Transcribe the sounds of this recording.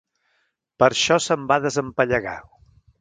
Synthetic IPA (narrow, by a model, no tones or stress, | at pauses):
pəɾʃɔsəmbaðəzəmpəʎəɣa̰w